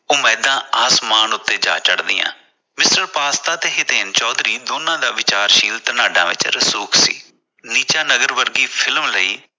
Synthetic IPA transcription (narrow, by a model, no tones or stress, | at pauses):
ʊmɛːd̪ãːaːsmaːnʊt̪ːeːd͡ʒa̰ːt͡ʃəɽd̪ɪjã̰ː | mɪsʈəɾpaːst̪aːt̪eːɦɪt̪eːnt͡ʃɔːd̪ɾiːd̪oːnãːd̪aːʋɪt͡ʃaːɾʃiːlt̪ənaːɖã̰ːʋɪ̰t͡ʃɾəsuːksḭː | niːt͡ʃaːnəɡəɾʋəɾɡiːpʰɪlmləiː